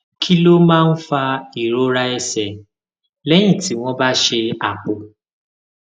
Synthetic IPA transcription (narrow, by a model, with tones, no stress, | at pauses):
kʰi˦lo˦mãː˦n̩˦fa˧i˨ɾo˦ɾa˦ɛ˦sɛ˨ | lɛ˦j̃ĩ˦˨ti˨˦w̃ɔ̃˦ba˦ʃe˧a˨k͡po˨